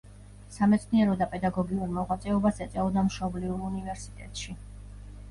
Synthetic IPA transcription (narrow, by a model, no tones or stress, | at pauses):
samɛt̪sʰniɛɾɔd̪apʼɛd̪aɡɔɡiuɾmɔʁwat̪sʼɛɔbasɛt̪sʼɛɔd̪amʃɔbliuɾunivɛɾsit̪ʼɛ̰t̪ʼʃi